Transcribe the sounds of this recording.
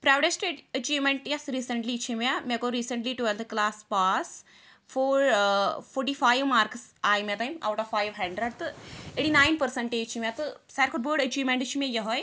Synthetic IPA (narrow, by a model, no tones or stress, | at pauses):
pɾaːwɖesʈeɖɐt͡ʃiːʋmẽɳʈjɐsɾiːsə̃ɳʈlit͡ʃʰĩmjamɛ̃koɾiːsəɳʈliʈwelt̪ʰklaːspaːs | foːɾfʰoːɾʈifaːjʋmaːɾksaːjmẽt̪aːima̰ːwʈɔʋfaːjʋɦɛ̃ːɳɖɾɐɖt̪ɨeʈinaːjnpəɾsəɳʈet͡ʃʰiʋjãt̪ɨsajɾkʰoɖbəːɖɐt͡ʃiːʋmẽɳʈt͡ʃʰimẽjɐɦoj